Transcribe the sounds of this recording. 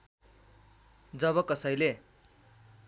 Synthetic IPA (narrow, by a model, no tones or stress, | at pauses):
d͡zʌβʌkʌsʌjle